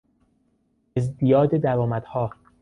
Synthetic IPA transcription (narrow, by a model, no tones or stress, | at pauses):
ezd̪ijɒːd̪ed̪æɾɒːmæd̪̥hɒː